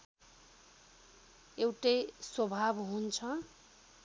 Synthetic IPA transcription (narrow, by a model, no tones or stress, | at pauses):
ewʈejswʌbʱabɦunt͡sʰʌ